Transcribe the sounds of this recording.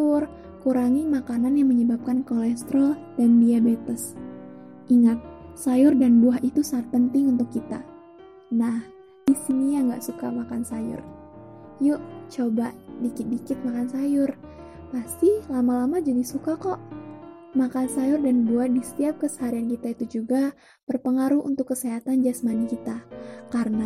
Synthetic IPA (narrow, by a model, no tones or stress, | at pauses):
t̪ʊr | kuɾaŋimakananjaŋməɲəbap̚kankolɛst̪ɾɔd̥anbiabet̪əs | iŋat̪̚sajʊrdanbuahit̪usat̪̚pənt̪ɪŋunt̪ʊkːit̪a | nah | d̥isinijaŋɡaʔsukamakansajʊ̰r | juʔt͡ʃobaʔdikɪt̪̚dikɪt̪̚makansajʊr | past̪ihlamalamad͡ʒadisukakɔʔ | makansajʊrdanbuahdisə̥t̪iap̚kəsəɦaɾiankit̪ait̪ud͡ʒuɡa | bərpəŋaɾuhṵnt̪ʊkːəseɦat̪and͡ʒasmanikit̪akarəna